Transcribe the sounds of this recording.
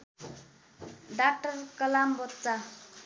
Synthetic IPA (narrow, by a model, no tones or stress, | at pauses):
ɖak̚ʈʌrkʌlambʌtt͡sa